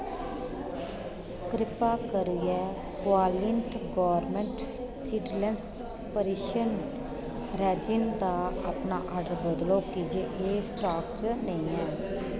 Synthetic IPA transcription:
kɾɪpaːkəɾuɛː | kʋaːlɪɳʈɡɔːəɾmɛ̃ːɳʈ | siːɖlɛns | pəɾiʃən | ɾɛːd͡ʒɪnd̪aːa̰ːpnaːʔaːɖəɾbəd̪loːkid͡ʒeːʔeːsʈaːkt͡ʃnẽĩːɛ̃ː

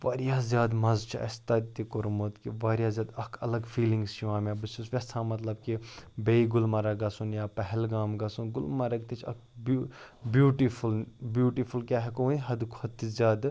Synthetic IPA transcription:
ʋɐɾijaːzʲjaːd̪mɐzt͡ʃʰa̰ɐ̰st̪ɐd̪t̪ikoɾmot̪kiʋɐɾʲjaːzʲjaːd̪ɐkʰɐ̰lɐɡfiːlĩŋɡst͡ʃʰiʋãːmʲabɨsusʋʲesʰãːmɐt̪lɐb̚kibeiɡʊlmɐɾɐɡɐsunjaːpɐɦɛlɡaːmɡɐsunɡʊlmɐɾɐɡ̚t̪it͡ʃʰɐ̰kʰbubjuːʈifulbjuːʈifʰulkʲaːɦekonɦɐd̪kʰot̪ːizʲjaːd̪

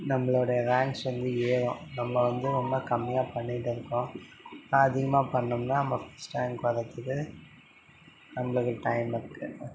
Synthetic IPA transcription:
nɐmːɐɭɽɐjɐɾaːŋksʋɐnd̪ɯeːɾõːnɐmːɐʋɐnd̪ɯɔmːɐkɐmːɪjaːpɐɳːɪʈːɪɾɯkːʊ̃nãɐðɪɣɐmaːpɐɳːɯmnaːnɐmːɐfɐsʈɾaːŋkʋɐðɐkːɯðɯ | nɐmːɐɭɯkːɯʈɐɪmɐkːɯ

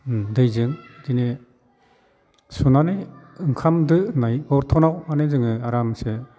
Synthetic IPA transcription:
dɯjzɯŋdine | sunanɯjɯŋkʰamdɯnajɔɾtʰɔnawanɯzɯŋɯaɾamse

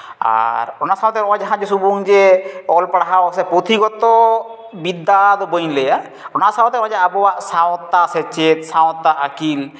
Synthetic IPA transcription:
a̰ɾɔnasawt̪ɛɾɔd͡ʒaɦãd͡ʒesubuŋd͡ʒeɔlpɽaɦasɛpɾot̪iɡɔt̪ɔ | bid̪ːad̪ɔbojleja | ɔnasawt̪eɾɔd͡ʒaabɔwaʔsawt̪ːasɛt͡ʃet̪sawt̪ːaʔakil

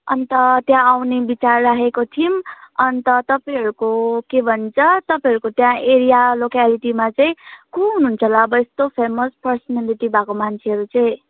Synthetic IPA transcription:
ʌ̰nt̪ʌt̪jãawnebit͡sarːaɦekot̪ʰimʌnt̪ʌt̪ʌpaj̃ɦʌɾukokebʱʌnt͡sʰʌt̪ʌpaĩɦʌɾukot̪jãeɾijalokaliʈimat͡sʌĩkũɦununt͡sʰʌlaʌbʌest̪opʰemospʌrsʌnaliʈibakomant͡sʰeɦʌɾut͡sʌj̃

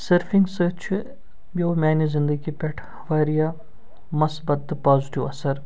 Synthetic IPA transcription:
sɐɾfiŋɡsəːt͡ʃʰi | bʲɐwmʲaːnizɪnd̪əɡipʲɛʈʰ | ʋaːɾijaː | mɐsbɐt̪̚d̪ɨpaːzʈiʋɐsɐɾ

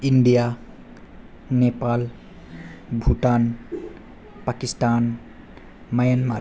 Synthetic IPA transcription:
iɳɖija | nepal | bʱuʈan | pakisʈan | majənma

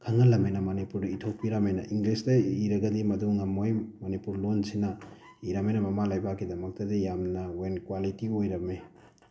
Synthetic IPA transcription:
kʰɐŋɐlɐmejnɐmɐnipuɾdɐitʰok̚piɾɐmejnɐ̰ʔiŋɡlistɐiɾɐɡɐdimɐduŋɐmojmɐnipuɾlonsinɐ | iɾɐmejnɐmɐmalajbakːidɐmɐk̚tɐdijamnɐwenkwalitiojɾɐme

